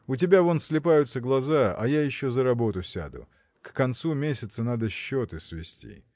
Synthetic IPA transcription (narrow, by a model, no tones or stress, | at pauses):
ʊt̬ʲɪbʲavonsʲlʲɪpajʊt̪səɡlˠɐzaɐ̰jajɪɕːozəɾɐbo̞t̪ʊsʲa̰d̪ʊ̰ | kːɐnt̪sumʲesʲɪt̪sənad̪əɕːo̞t̪ɨsvʲɪ̰sʲtʲḭ